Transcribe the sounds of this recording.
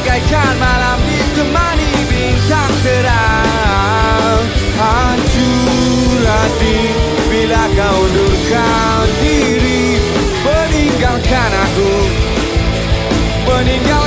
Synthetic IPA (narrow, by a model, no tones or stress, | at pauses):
kajt͡ʃanmalambist̪əmani | binsaŋ̚təɾa | ha | t͡ʃu | ɾa | t̪i | bilakaudulka | di | ɾi | bəniŋɡalkanaku | bəniŋɡal